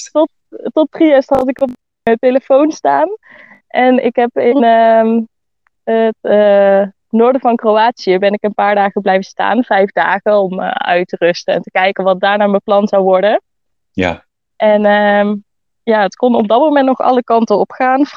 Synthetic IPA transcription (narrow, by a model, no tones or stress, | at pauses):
tɔt | tɔtriɛstɦɑtɪkɔp̚ | mənteləfownstaːn | ʔɛnɪ̰kɦɛpɪnə | ətə | nʊːɹdəvɑnkrowaːtsijəbɛnɪkənpaːɹdaːχəblɛjvəsta̰ːnv̥ɛjvdaːχəɔmə̰œ̰ɥtərɵstəɛ̰ntəkɛjkəʋɑtdaːɹnaːɹməplɑnzɑwʋɔɹdə | ʔɛnə | jaːətkɔnɔb̚dɑt̚mowmɛntnɔχɑ̰ləkɑntəɔpxaːn